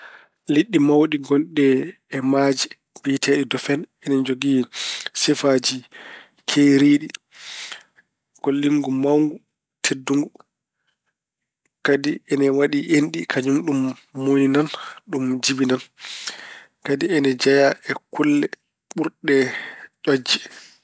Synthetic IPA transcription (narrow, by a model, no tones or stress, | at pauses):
liɗːimawɗiɡɔnɗɛː | mad͡ʒi | bitʰɛɗidɔfɛnɛnɛd͡ʒoɡisɛfad͡ʒi | kʰejɾiːɗi | ɡ̥olːiŋɡumawŋɡu | tʰedːuŋɡu | kadiɛnɛwaɗiʔenɗikʰad͡ʒumɗumː | oninanɗumd͡ʒibinan | kadiɛnɛd͡ʒajaʔɛkulːɛ | ɓuɾɗɛʔɔd͡ʒːɛ